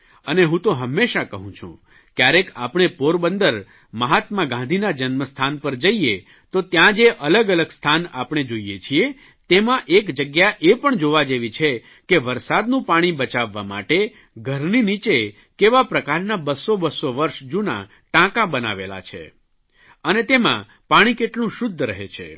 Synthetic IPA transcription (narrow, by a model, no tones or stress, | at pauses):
əneɦũt̪oɦəmːeʃakəɦũt͡ʃʰṵ̃ | kjaɾeka̰pɳ̃epoɾbənd̪əɾ | məɦat̪mãɡãnd̪ʱinad͡ʒənməst̪ʰanpəɾd͡ʒəie | t̪ot̪jãd͡ʒeʔələɡələɡst̪ʰanapɽ̃ed͡ʒoijet͡ʃʰie | t̪emãʔekd͡ʒəɡjaʔepəɳd͡ʒoʋad͡ʒeʋit͡ʃʰe | keʋəɾsad̪nũpaɽ̃ibət͡ʃaʋːa̰ma̰ʈe | ɡʱəɾninit͡ʃe | keʋapɾəkaɾnabəsːobəsːoʋəɾʃd͡ʒuna̰ | ʈãkãbəna̰ʋḛla̰t͡ʃʰḛ | ənet̪emã̰ | paɽ̃ikeʈlũʃʊd̪ʱːɾəɦḛt͡ʃʰḛ